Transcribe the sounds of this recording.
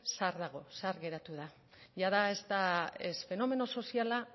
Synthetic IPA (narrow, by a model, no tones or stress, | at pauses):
saɾðaɣ̞o̞saɾɣe̞ɾat̪uða | ʝaðae̞st̪aesfe̞no̞me̞no̞so̞siala